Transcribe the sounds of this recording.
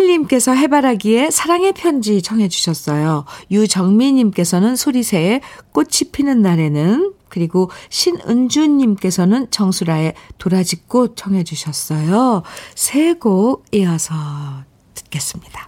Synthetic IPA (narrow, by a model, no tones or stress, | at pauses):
ɕiʎːimk͈e̞sʰʌɦe̞baɾɦaɡie̞sʰaɾaŋe̞pʰjʌnd͡ʑit͡ɕʰʌŋɦe̞d͡ʑuɕʰʌs͈ʌjojud͡ʑʌŋmiɲimk͈e̞sʰʌnɯnsʰoɾisʰe̞ːk͈ot̚t͡ɕʰipʰinɯnːaɾe̞nɯnkɯɾiɡoɕʰinɯnd͡ʑuɲːimk͈e̞sʰʌnɯnt͡ɕʌŋsʰuɾaetoɾad͡ʑik͈ot͡ɕʰʌŋɦe̞d͡ʑuɕʰʌs͈ʌjosʰe̞ɡoɡ̚iasʰʌ | tɯt̚k͈e̞s͈ɯmɲid̥a